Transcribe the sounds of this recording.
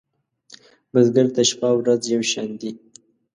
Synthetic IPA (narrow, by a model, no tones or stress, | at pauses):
mazɡaɾt̪aʃpawɾazjawʃand̪i